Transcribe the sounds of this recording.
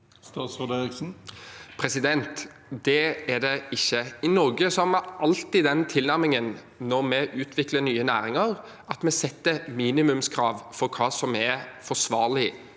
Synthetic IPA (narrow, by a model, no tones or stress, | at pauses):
st̪ɑːt̪sɔd̪eɾɪksn̩pʰɾɛsɪd̪ɛnt̪ | d̪ɛæd̪ɛɪçːəɪnɔɾɡəsɔhæmɛʔɑlt̪iːd̪ɛnt̪ʰɪlnæɾmɪŋən | nɔʁmɛʔʉːt̪ʰʋɪklənyːənæːɾɪŋəɾ | ɑt̪mɛsɛt̪ːəmiːnɪmʉmskʰɾɑːʋfɔɾkʰɑːsɔmɛfɔsʋɑːɾlɪ